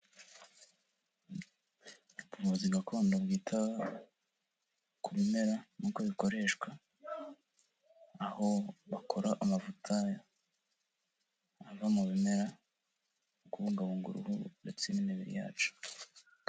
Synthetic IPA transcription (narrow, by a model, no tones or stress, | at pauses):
puvuziɡakʰo̞ːndabɡiːtʰa | kʰuβime̞ɾanukoβiko̞ɾe̞ːʃkwa | ho̞βakʰo̞ɾaʔamavutʰaja | avamuβime̞ɾa | ukuβuːŋɡaβuːŋɡṵɾṵhundet͡seniniβiɾḭja̰ːt͡ʃu̥